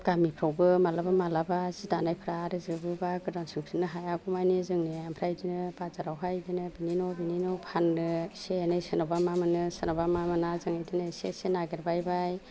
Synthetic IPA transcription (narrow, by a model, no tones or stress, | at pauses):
ɡ̥amipʰɾawbɯmalabamalabazidanajpʰɾaɾɯzɯbɯbaɡɯdansisʰɯnːɯɦajaɡɔmajnizɯŋneampʰɾajdinɯbazaɾawɦajdinɯbininɔbininɔpʰannɯseanɯjsɯnɔbamamɯnɯsɯnɔbamamɯnazɯŋajdinɯsḛsenaɡeɾbajbaj